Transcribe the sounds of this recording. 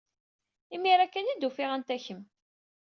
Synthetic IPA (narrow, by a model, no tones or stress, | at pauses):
imiɾækːænid̪ufɪʁænt̪æçəm